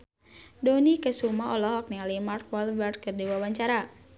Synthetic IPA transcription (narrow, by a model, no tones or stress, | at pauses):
donikəsumaɔlɔhɔk̚nialimartk̚wɔlbərd̚kərdiwawaɲt͡ʃaɾa